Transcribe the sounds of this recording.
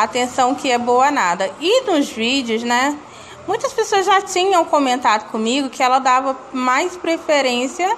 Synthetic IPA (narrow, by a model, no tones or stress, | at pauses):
at̪ẽsɐ̃w̃kɪɛbowɐnad̪ɐɪnʊzvid͡ʒɪʊznɛ | mũj̃t̪ɐspesoɐzʒat͡ʃĩɲɐ̃w̃kõmẽnt̪ad̪ʊkõmiɡʊkɪɛlɐd̪avɐmajspɾefeɾẽsiɐ